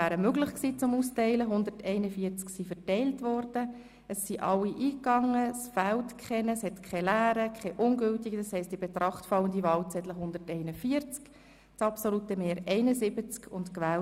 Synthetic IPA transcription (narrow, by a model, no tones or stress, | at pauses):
æːɾəmøɡlɪχksiːt͡sʊmustɛɪləɦʊnd̪əɾtɛɪnəfiəɾt͡sksifɛrtɛɪltvɔɾd̥ə | əsːiʔɑlːiʔiːkɑŋːəsfæltkʰχɛnəshɛtkʰɛlæːɾəkʰχɛʔʊŋɡʏltiɡədɑshɛɪst̚d̥ibet̪rʔɑχtfɑləndivɑːlt͡sɛdləɦʊnd̪ətɛɪnəfiəɾt͡sk | t͡sɑpsolutəmeːɾɛɪnəzɪbət͡skʰʊntkʋæːl